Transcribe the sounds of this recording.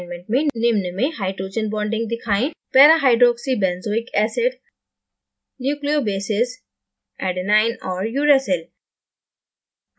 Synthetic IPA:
nmẽɳʈmẽnɪmnəmẽɦaɪɖɾoːd͡ʒə̃nbɔːɳɖɪ̃ŋɡd̪ikʰaːĩpɛɾaɦaɪɖɾɔːksibɛ̃nzoːɪkɛseɖ | njuːkliobeːses | ɛɖnaɪnɔːɾjuːɾesel

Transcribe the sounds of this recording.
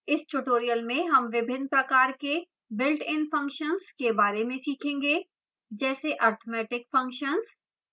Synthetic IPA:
ɪsʈuʈoːɾijəlmẽɦɐmʋɪbʱɪnːpɾɐkaːɾke | bɪlʈɪ̃npʰɐ̃ŋkʃənzkebaːɾemẽsiːkʰẽːŋɡeː | d͡ʒɛːseʔaːɾt̪ʰomɛːʈɪkfɐ̃ŋkʃənz

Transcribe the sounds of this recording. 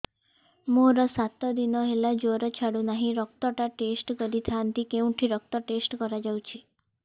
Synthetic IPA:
mũɾɔsat̪ɔd̪inɔɦelad͡ʒoɾɔt͡ʃʰaɽunaɦĩɾɔk̚t̪ɔʈaʈesʈkɔɾit̪ʰant̪ikeũʈʰiɾɔk̚t̪ɔʈesʈkɔɾad͡ʒawt͡ʃʰi

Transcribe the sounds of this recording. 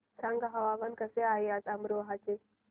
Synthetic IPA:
saŋɡɦɐʋaʋənkəseajasamɾoɦat͡ʃe

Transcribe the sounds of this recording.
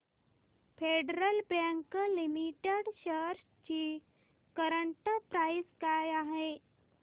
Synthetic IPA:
feɖɾəlbãŋkəlimiʈeɽɕəɾs | t͡ɕiː | kəɾəɳʈəpɾaiskajaɦe

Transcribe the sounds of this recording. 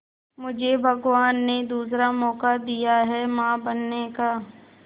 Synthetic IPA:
mʊd͡ʒʱebʱɐɡʋaːnːed̪uːs̬ɾamɔːkad̪ijaɦɛmãːbɐnːekaː

